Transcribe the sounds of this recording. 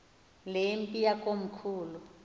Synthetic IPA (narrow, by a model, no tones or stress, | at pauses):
lempʼijakʼom̩kʰuːlu